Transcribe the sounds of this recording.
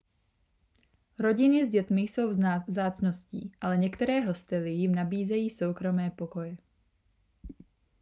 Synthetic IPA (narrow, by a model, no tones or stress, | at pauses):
ɾo̞ɟɪnɪzɟɛt̪mɪjso̞wvzaːt͡snoscḭːʔalɛɲɛkt̪ɛɾɛːɦo̞st̪ɛlijɪmnabiːzɛjiːsowkɾo̞mɛːpokojɛ